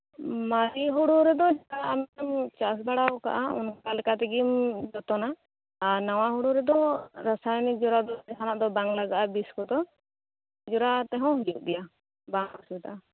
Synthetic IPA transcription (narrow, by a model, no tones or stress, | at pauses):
maɾiɦuɽuɾɛd̪ɔd͡ʒkaamɛamt͡ʃas̬baɽawka̰ʔaṵnkkalɛkat̪ɛɡimd͡ʒɔt̪ɔnaː | ɾnaw̃aɦuɽuɾɛd̪ɔɾasajnid͡ʒɔɾad̪ɔɛɦanaʔd̪ɔbaŋlaɡaʔabiskɔd̪ɔ | d͡ʒɔɾat̪ɛɦɔ̃ɦujuʔ̚d̪ɛja | baŋɔsit̪a̰ʔa